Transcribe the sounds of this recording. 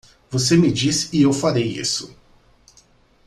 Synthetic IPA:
vosemɪd͡ʒisɪewfaɾejḭsʊ̥

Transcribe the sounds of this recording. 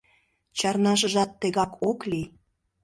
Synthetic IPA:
t͡ɕɑrnɑʃ̬əʒɑt̪ːeɣɑkʰokli

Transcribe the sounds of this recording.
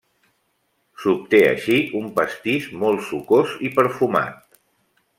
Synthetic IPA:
sup̚t̪eə̰ʃiʔumpəst̪iʃmɔlˠsukozipəɾfuma̰t̪̚

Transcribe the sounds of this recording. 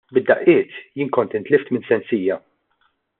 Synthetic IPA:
bɪd̪ːɐʔɪːt̪jɪːnkɔnt̪ɪnt̪lɪft̪mɪnsɛnsiːjɐ

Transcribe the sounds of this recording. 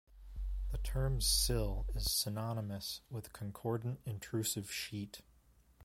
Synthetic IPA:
ðɨtʰɜ̃˞msɪlˠɪz̥sɨnɑnəmɨswɪð̥kʰə̃nkʰɔɹdⁿn̩tɨ̃ntʰɹ̥ʉsɨv̥ʃit

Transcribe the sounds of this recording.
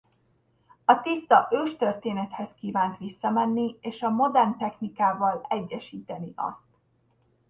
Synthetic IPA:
ɒt̪ist̪ɒʔøːʃt̪ørt̪eːnɛt̪hɛskiːvaːnt̪ʋisːɒmɛnːieːʃɒmo̞d̪ɛrnt̪ɛxnikaːvɒlɛɟːɛʃiːt̪ɛniʔɒ̰st̪

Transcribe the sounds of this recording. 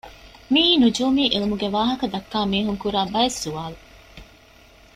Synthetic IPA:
miːnud͡ʒuːmiːʔilumuɡeʋaːɦɐkɐd̪ɐkːaːmiːɦuŋkuɾaːbɐesːuʋaːlu

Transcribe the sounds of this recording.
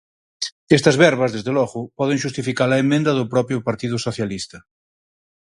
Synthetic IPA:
est̪ɐzβɛɾβɐzðezðelɔɣʊpɔð̞ẽŋʃust̪ifikaɾaemːẽnd̪ɐðʊpɾɔpɾjʊpaɾt̪iðʊsoθjalist̪ɐ

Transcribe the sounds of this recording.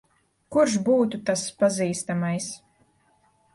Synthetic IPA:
kuɾʃ̬buːt̪ut̪aspaziːst̪amajs

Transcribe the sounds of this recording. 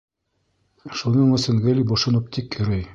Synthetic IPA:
ʃunɤɴɵ̆sɘŋɡɘ̆lʲiboʃŏnɤp̚t̪ʰikjɵ̆ɾɘj

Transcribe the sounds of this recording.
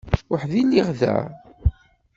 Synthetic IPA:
wəħðilːiʁðæ̰

